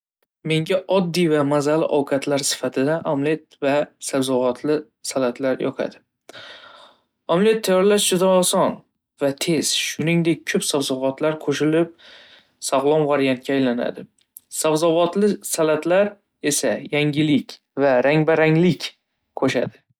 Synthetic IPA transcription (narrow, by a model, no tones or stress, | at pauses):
me̞ŋɡʲaʔɒd̪ːijvamazalɪ̰ʔɒwqʰat̪ʰlaɾsɪ̥fat̪ʰɪd̪aʔamlet̪vasabzɒvɒt̪ʰlɪ | salat̪ʰlaɾjɒ̰qʰa̰d̪ɪ | amle̞t̪ʰːajɒɾlaʃd͡ʒʊd̪ɒːsɒn | vat̪ʰe̞z̥ʃʊnɪŋd̪e̞k̚ʲkʰːɵpsavzɒvɒt̪laɾqʰoʃɪlɪp̚ | sɒʁlˠɒnvaɾjant̪̚kʲaːjlana̰d̪ɪ | sabzɒvɒt̪lɪsalat̪laɾ | e̞sajaŋʲɪlɪkʲ | vaɾaŋbaɾaŋlɪkʲ | kʰoʃa̰d̪ɪ